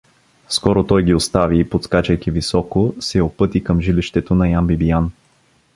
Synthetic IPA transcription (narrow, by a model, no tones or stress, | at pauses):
skɔɾot̪ɔjɡʲiost̪aviːpot̪skat͡ʃɛjkivisɔkosɛopɤt̪ikɤmʒiliʃt̪ɛt̪onɐjambibijan